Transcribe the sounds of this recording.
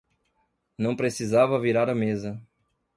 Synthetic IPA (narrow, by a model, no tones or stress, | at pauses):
nɐ̃w̃pɾesizavɐviɾaɾɐmezɐ